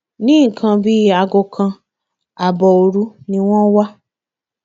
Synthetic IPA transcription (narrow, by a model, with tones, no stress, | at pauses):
nĩ˦ŋ̩˨kʰã˧bi˦a˧ɡo˧kʰã˧ | a˨bɔ˨o˧ɾu˦nĩ˧w̃ɔ̃˦wa˦